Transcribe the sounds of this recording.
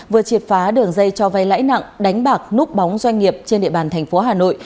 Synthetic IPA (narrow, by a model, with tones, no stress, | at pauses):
vɨ˨˩ət͡ɕi˨˩əp̚faː˨˦ɗɨ˨˩əŋzə˧jt͡ɕɔ˧va˧jla̰ː˧˥jna̰˧˨ŋɗa˨˦jŋ̟ɓaː˨˩k̚nu˦˥k͡p̚ɓɔ˨˦wŋ͡mzwa˧jŋ̟ŋi˨˩əp̚t͡ɕe˧nɗḭ˧˨ɓaː˧˩nt̪ʰɛ˨˩ŋ̟fo˨˦ɦaː˨˩no̰˧˨j